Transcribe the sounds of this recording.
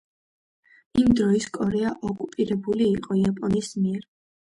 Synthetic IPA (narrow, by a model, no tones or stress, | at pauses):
imd̪ɾɔiskʼɔɾɛaʔɔkʼupʼiɾɛbuliːqʼɔiapʼɔnismiɛɾ